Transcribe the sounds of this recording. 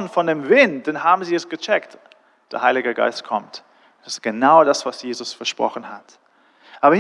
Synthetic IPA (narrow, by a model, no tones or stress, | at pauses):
nfɔndeːmvɪnt̚d̥enɦaːbm̩ziːɛsɡ̥ət͡ʃɛkt | d̥eːɐhaɪlɪɡəɡa̰ɪstkʰɔmt | ʊnsɪ̥stɡ̥ənaʊdasv̥asjeːzʊsfɛɐʃpʁ̥ɔ̰χn̩hat | ʔaːbɐh